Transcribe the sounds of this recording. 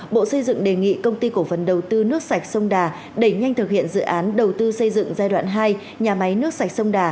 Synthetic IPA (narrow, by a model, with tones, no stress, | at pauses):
ɓo̰˧˨sə˧jzɨ̰˧˨ŋɗe˨˩ŋḭ˧˨kə˧wŋ͡mt̪i˧ko˧˩fə˨˩nɗə˨˩wt̪ɨ˧nɨ˦˥ək̚sa˨˩jk̟̚sə˧wŋ͡mɗaː˨˩ | ɗe˧˩ɲa˧jŋ̟t̪ʰɨ˨˩k̚hḭ˧˨ənzɨ̰˧˨ʔaː˨˦nɗə˨˩wt̪ɨ˧sə˧jzɨ̰˧˨ŋzaː˧jɗwa̰ː˧˨nɦaː˧j | ɲaː˨˩ma˨˦jnɨ˦˥əksa˨˩jk̚sə˧wŋ͡mɗaː˨˩